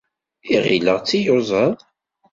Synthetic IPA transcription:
iʁḭləʁt͡sːijʊzˤəðˤ

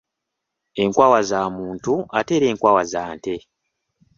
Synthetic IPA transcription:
e̞ŋkwaːwazaːmuːntuate̞ːɾe̞ːŋkwaːwazaːnte

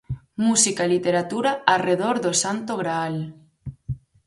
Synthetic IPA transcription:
musikailit̪eɾat̪uɾaareðoɾðosant̪oɣɾaal

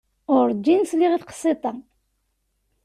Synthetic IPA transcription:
ʊɾd͡ʒːinsliʁiθqə̥sˤːit̪ˤɑ

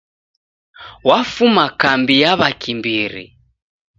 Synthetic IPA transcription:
wafumakambijaβakimbiɾḭ

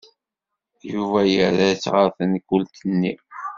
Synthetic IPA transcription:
juvæjəɾæt͡sːʁəɾθənkːʊlt̪ənːḭ

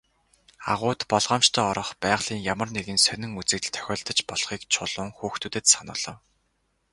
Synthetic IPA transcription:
a̰ʁʊːt̪pɔɮʁɔːmt͡ɕt̪ʰœːɔɾɞ̆χpæːʁɮ̥iːŋjamə̆rneɣɘ̆nsœnɪ̆ŋut͡sɘ̆kt̪t̪ʰːœ̥xʲɔːɮt̪ə̆t͡ɕpɔɮχiːkt͡ɕʰʊɮʊːŋxuːxt̪ʰuːt̪ɘ̆t̪sanʊ̰ːɮɞ̆w

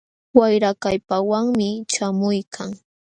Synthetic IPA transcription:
wajɾakajpawaŋmɪt͡ʃamʊjkʰaŋ

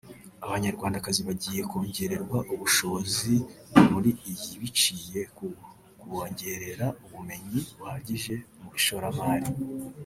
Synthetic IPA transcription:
aβaɲaɾɡwaːndakaziβaɟiːje̞ko̞ːɲɟe̞ɾe̞ɾɡwaʔuβuʃo̞zimuɾiːjiβit͡ʃiːje̞ | kuoːɲɟe̞ɾe̞ɾauβume̞ɲiβuhaɟiʒe̞ | muiʃoɾamaːɾi

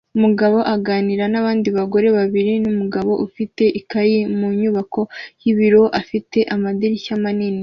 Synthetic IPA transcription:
umuɡaβo̞ʔaɡaːniɾanaβaːndiβaɡo̞ɾe̞βaβiɾinumuɡaβo̞ʔufite̞ʔikajimuɲuβako̞jiβiɾo̞ʔafite̞ʔamadiɾiçamanini

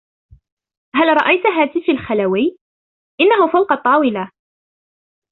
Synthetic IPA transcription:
ɦalɾˤɑʔajt̪ɦaːt̪ɪfalxalawi | ʔɪnːaɦʊfawqɑt̪ˤːɑːwɪla

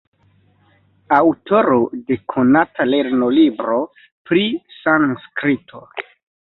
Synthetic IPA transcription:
awto̞ɾode̞kʰonatale̞ɾno̞libɾo̞ | pɾisanskɾitʰo̞

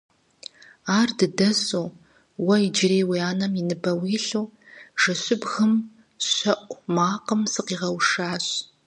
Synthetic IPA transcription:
aːrdɨdɐsuː | wɐid͡ʒɪreːwiaːnɐmɪnɨbɐwiːɬuːʒ̥ɐɕɪbɣɨm | ɕʷɐʔʷʼmaːqəmsɨqiːʁɐwʂaːɕ

